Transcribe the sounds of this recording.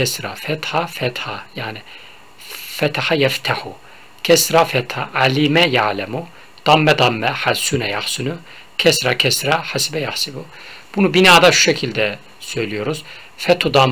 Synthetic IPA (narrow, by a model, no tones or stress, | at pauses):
ɛsɾa̰fɛt̪hafɛt̪hajaːni | fɛt̪ʰaħajɛft̪ʰaħu | cʰɛsɾafɛt̪haʔalimɛjaʕlɛmu | d̪̥amːɛd̪amːɛħasunɛjaxsunu | cʰɛsɾakʰɛsɾaħasibɛjaxsibu | b̥unubinaːd̪aʃu̥ʃecʰilʲd̪ɛ | sø̞jlʲijo̞ɾuz̥ | fɛt̪ʰud̪am